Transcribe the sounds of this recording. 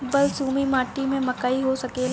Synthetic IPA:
bɐlsuːmimaːʈimẽmɐkaːiɦosɐkeːl

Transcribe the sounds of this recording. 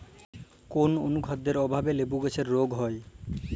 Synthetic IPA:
kono̰nukʰad̪ːeɾɔbʱabelebuɡet͡ɕʰeɾːoɡɦɔe

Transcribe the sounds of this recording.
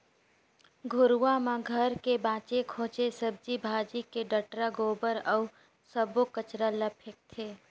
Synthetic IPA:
ɡʱʊɾuamãɡʱəɾkebãːt͡ʃekʰõːt͡ʃesəb̚d͡ʒibʱaːd͡ʒikeɖəʈɾaɡoːbəɾɔʊ | səbokət͡ʃɾaləpʰɪk̚t̪ʰeː

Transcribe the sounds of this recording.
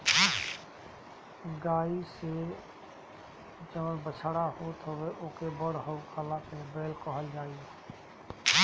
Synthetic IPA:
ɡaːise | d͡ʒəʋbət͡ʃʰaɽaɦoːt̪ɦʊweʔoːkebəɽɦəukʰalãkebeːlkəɦəld͡ʒaːie

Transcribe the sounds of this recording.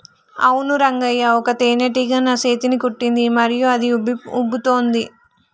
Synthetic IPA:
ɐ̰wunuɾɐŋɡɐjːaɔkɐt̪eːneʈiːɡaːnaːseːt̪inikuʈːind̪imɐɾijuɐd̪iubut̪oːnd̪i

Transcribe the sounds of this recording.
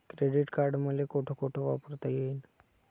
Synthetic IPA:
kɾeɖiʈkaɾɖməlekoʈʰokoʈʰoʋapəɾt̪ajen

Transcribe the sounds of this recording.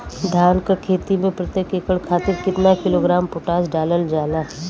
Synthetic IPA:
d̪ʱaːlkakʰeːt̪imẽpɾət̪jəkekəɭkʰaːt̪ɪɾkɪt̪nakɪloːɡɾaːmpʊʈaːsɖaːləld͡ʒaːlaː

